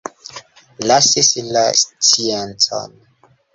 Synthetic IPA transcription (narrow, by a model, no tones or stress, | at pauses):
lasisilastiantʰɔ̰n